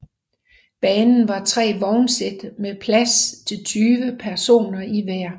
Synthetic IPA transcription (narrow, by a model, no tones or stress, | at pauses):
b̥ɛːnn̩ʋɑ̈t͡sʰʁɛ̰ːʋɒʊnsed̥mepʰlæst͡sʰe̝lt͡sʰyːʋəpʰæɐso̝̰ːnɐiʋæɐ̰